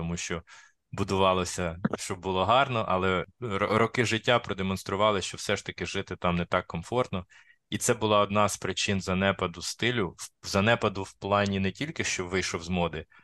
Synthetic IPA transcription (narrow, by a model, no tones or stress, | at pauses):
t̪ɔmuʃt͡ʃɔ | bʊd̪ʊʋɑlˠɔsʲɐʃt͡ʃɔbbʊlˠɔɦɑrnɔʔɐlˠɛɾɔkɪʒɪtʲːapɾɔd̪emɔnst̪ɾʊʋɑlˠɪʃt͡ʃɔwsɛʃt̪ɐkɪʒɪt̪ɪt̪ɑmnɛt̪ɑkːɔmfɔrt̪nɔ | it̪sɛbʊlˠɑɔd̪nɑzpɾɪt͡ʃɪnzɐnɛpɐd̪ʊst̪ɪlʲʊwzɐnɛpɐd̪ʊwplˠɑnʲinɛtʲilʲkɪʃt͡ʃɔʋɪjʃɔwzmɔd̪ɪ